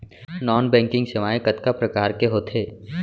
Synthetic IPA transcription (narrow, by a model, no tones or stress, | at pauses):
nɔːnbɛ̃ːŋkɪ̃ŋɡsɪʋaːjkət̪kapɾɐkaːɾkeɦoːt̪ʰeː